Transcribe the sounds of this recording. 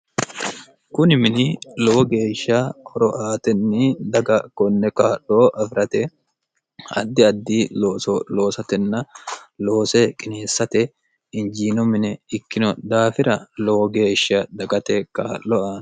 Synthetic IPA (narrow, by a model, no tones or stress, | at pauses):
kʊnɪmɪnɪlɔwɔɡe̞ːʃːɐɔɾɔʔaːt̪ɛnːɪd̪ɐɡɐkɔnːɛkaːlːoːʔɐfɪɾɐt̪ɛ | ɐ̰d̪ːɪɐd̪ːiːloːsɔlo̞ːsɐt̪ɛnːɐlo̞ːsɛkʼɪneːsːɐt̪ɛ | ɪnd͡ʒiːnɔmɪnɛɪkːɪnɔd̪aːfɪɾɐlɔwɔɡe̞ːʃːɐd̪ɐɡɐt̪ɛkaːʔːɔan